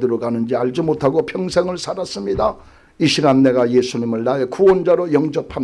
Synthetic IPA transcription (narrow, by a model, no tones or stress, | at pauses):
dɯɾoɡanɯnd͡ʑiaɭd͡ʑumotʰaɡopʰjʌŋsʰe̞ŋɯɭsʰaɾas͈ɯmɲida | iɕʰiɡanːe̞ɡajesʰuɲimɯɭnaekuʌnd͡ʑaɾojʌŋd͡ʑʌpʰan